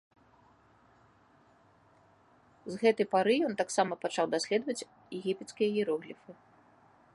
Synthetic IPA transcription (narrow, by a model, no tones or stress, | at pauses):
zɣɛt̪ɐjpaɾɨjɔnt̪aksamɐpat͡ʂawd̪asʲlʲɛd̪vɐt͡sʲ | jɛɣʲipʲɛt̪skʲijɐjiɾɔɣlʲifɨ